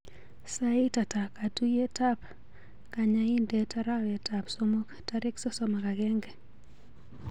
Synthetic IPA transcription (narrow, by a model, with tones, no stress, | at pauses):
sa˦ɪ˦ta˨ta˨ka˨tu˦je˦ta˦p | ka˨ɲa˦i˦ndetaɾa˦wɛ˨tapsomo˦ktaɾɪ˦ksɔ˦sɔmaka˨ɡɛ˦ŋɡɛ˨